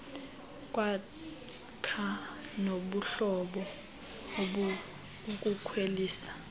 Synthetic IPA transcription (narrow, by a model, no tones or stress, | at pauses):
kʼwa | kʰanoɓuɬɔɓɔ | ɓu | kʼukʰweliːsḁ